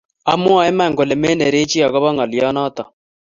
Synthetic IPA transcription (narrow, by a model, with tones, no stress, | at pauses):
a˦mwa˨ɛ˦ma˨ŋɡo˨le˨me˦nɛ˨ɾe˦t͡ʃi˦a˨ɣɔ˦βɔ˦ŋɔ˨ljɔ˦nɔ˦t̪ɔ̰˨